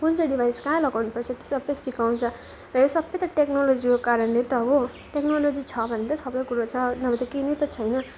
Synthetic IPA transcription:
kunt͡sʰʌɖibʱajskãlʌɡawnupʌrt͡sʰʌt̪i̥sʌbːʌsikaw̃t͡sʰʌ | rʌjosʌbʌjt̪ʌʈeknolod͡zikokaɾʌnlet̪ʌɦo | ʈeknolod͡zit͡sʰʌbʱʌnːet̪ʌsʌbʌjkuɾot͡sʰʌnʌbʌt̪ekinʌt̪ʌt͡sʰʌjnʌ

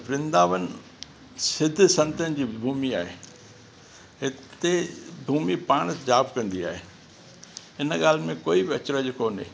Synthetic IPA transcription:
bɾɪ̃nd̪aːʋənɪ | sɪd̪ʱsɐ̃nt̪ənɪ̆d͡ʑiːbʱuːmiaːɦeː | ɦɪt̪ebʱuːmipaːɽ̃d͡ʑaːbkɐ̃nd̪ia̰ːɦeː | ɪnɠaːl̤mẽkoːibɪɐt͡ɕɾəd͡ʑɪkoːnḛː

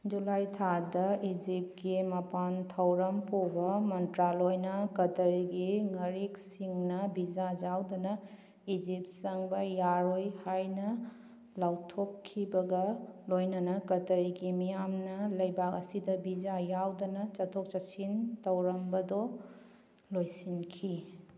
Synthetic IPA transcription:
d͡ʒulajtʰadɐid͡ʒip̚ɡimɐpantʰɐwɾɐmpobɐmɐntɾalojnɐkɐtɐɾiɡiŋɐɾiksiŋnɐbid͡ʒad͡ʒawdɐnɐ | id͡ʒipsɐŋbɐjaɾojhajnɐ | lawtʰokʰːibɐɡɐlojnɐnɐkɐtɐɾiɡimijamnɐlɐjbakɐsidɐbid͡ʒajawdɐnɐt͡ʃɐtʰok̚t͡ʃɐsintɐwɾɐmbɐdɔ | lojsinkʰi

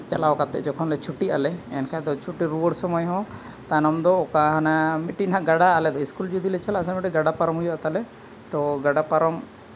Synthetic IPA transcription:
t͡ʃalawkat̪ɛ̰ʔd͡ʒɔkʰɔnlɛt͡ʃʰuʈia̰lɛɛ̰nkʰad̪ɔt͡ʃʰuʈiɾuwəɽsɔmɔjɦɔ̃ | t̪anɔmd̪ɔːkaɦanamiʈinɦaʔɡaɖaːlɛd̪ɔiskuld͡ʒud̪ilɛt͡ʃʰalas̬amiʈiɡaɖapaɾɔmɦujat̪alɛ | t̪ɔɡaɖapaɾɔm

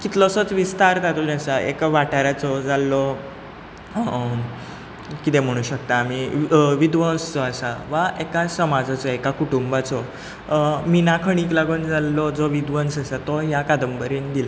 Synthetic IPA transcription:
kit̪lɔsət͡sʋist̪aɾt̪at̪uniasaḛkʋaʈaɾat͡sɔd͡zalːɔ | kit̪em̤əɽ̃ũːɕəkt̪aːmiʋid̪ʋənst͡sɔasaʋaekasəmad͡zat͡sɔekakuʈumbat͡sɔ | miːnakʰəɽ̃iːklaɡuːnd͡zalːɔd͡zɔʋid̪ʋənsasat̪ɔjakad̪əmbəɾind̪ila

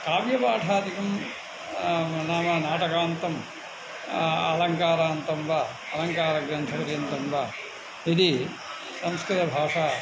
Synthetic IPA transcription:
kaːʋjɐpaːʈʰaːd̪ikɐm | naːmɐnaːʈɐkaːnt̪ɐm | ɐlɐŋkaːɾaːnt̪ɐmʋɐ | ɐlɐŋkaːɾɐɡɾɐnt̪ʰɐʋɐɾiɐnt̪ɐmʋɐ | id̪i | sɐmskɾɨt̪ɐbʱaːʂaː

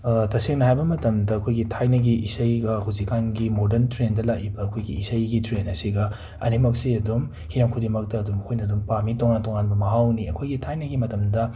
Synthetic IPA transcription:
tɐseŋnɐɦajbɐmɐtɐmdɐːkʰojɡitʰajnɐɡiʔisɐjɡɐhuwzikʰːanɡimodɐɾntɾendɐlakibɐːkʰojɡḭːsɐjɡitɾenɐsiɡɐ | ɐ̰nimɐk̚siɐdum | hiɾamkʰudimɐk̚tɐːdumɐkʰojnɐdumpamitoŋantoŋanbɐmɐɦawniɐ̰kʰojɡitʰajnɐɡimɐtɐmdɐ

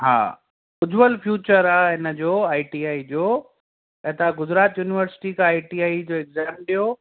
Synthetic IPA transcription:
ɦa̰ː | ʊd͡ʑʋəlfʰjuːt͡ɕəɾaːɦɪnəd͡ʑoːaːiʈiːaːid͡ʑoː | ɛt̪aɡʊd͡ʑɾaːt̪juːnɪʋəɾsɪ̥ʈikʰãaːiʈiaːid͡ʑoːɛɡzaːmɗijo

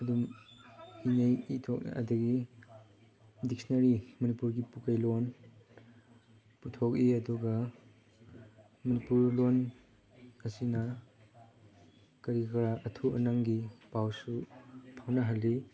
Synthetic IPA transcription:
ɐdum | inejitʰɔk̚n̰ɐ̰dɐɡi | dik̚snɐɾimɐnipuɾɡipukajlon | putʰɔk̬iɐduɡɐ | mɐnipuɾlon | ɐsinɐ | kɐɾikɾaʔɐtʰuɐ̰naŋɡipawsupʰawnɐɦalːi

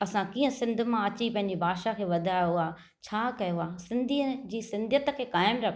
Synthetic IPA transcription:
ɐsãkiːə̃sɪ̃nd̪ʱʊmãɐt͡ɕipɐ̃ɦɪɲ̆d͡ʑebʱaːʃakʰeːʋɐd̪ʱaːjoaː | t͡ɕʰaːkɐjoaːsɪ̃nd̪ʱiːəd͡ʑiːsɪ̃nd̪ʱjət̪əkʰeːkaːɪmɾɐkʰ

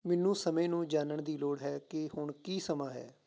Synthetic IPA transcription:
mɪnːũːsəmẽːnũːd͡ʒaːnəɳd̪iːloːɽɦɛːkɪhʊɳkiːsəmaːɦɛ̰ː

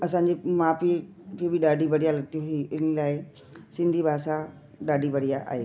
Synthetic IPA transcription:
ɐsãːɲd͡ʑimaːfipibiɗaːɖibɐɽijalɐɡ̚t̪ijũɦiʔɪnəlaːɪ | sɪ̃nd̪ʱibʱaːsa | ɗaːɖʱibɐɽijaʔa̰ːɦeː

